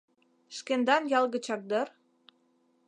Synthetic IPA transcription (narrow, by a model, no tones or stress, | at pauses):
ʃkend̪ɑnjɑlˠɣə̆t͡ɕɑk̚d̪ɤr